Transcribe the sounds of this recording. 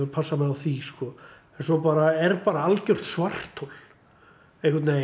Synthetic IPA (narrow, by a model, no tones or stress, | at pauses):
ɪpʰasːamɛðawθiskɔ | ɛnsɔpaːɾaɛɾpaːɾaalcœr̥t̪svar̥t̪ʰol | ehkat̪neː